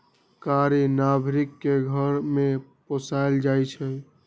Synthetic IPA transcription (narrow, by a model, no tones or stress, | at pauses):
kaɾenabʱɾikːeɡʱəɾmeposajld͡ʒajt͡ʃʰɛ